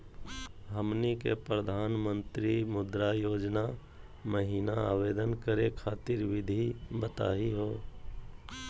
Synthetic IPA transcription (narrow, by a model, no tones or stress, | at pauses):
ɦəmnikḛpɾəd̪ʱaːnmə̃nt̪ɾimʊd̪ɾajoːd͡ʒna | məɦiːnaa̰ːʋeːd̪ənkəɾekʰaːt̪ɪɾʋɪd̪ʱibət̪a̰ːiɦoː